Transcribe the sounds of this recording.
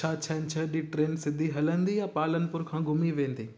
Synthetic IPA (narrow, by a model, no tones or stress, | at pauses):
aːt͡ɕʰɐnt͡ɕʰɐɗiʈɾeːnsɪd̪ʱiɦɐlənd̪ijapaːlənɪ̆pʊɾkʰãːɡʱʊmiʋẽːnd̪iː